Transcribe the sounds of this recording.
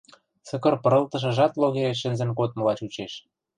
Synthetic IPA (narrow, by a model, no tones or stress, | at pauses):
sɤ̆kɤ̆rpɤ̆ɾɤ̆lt̪ɤ̆ʃɤ̆ʒɑt̪loɣeɾeʃːɘ̆nzɘ̆nkot̪̚mɤ̆lɑt͡ɕut͡ɕeʃ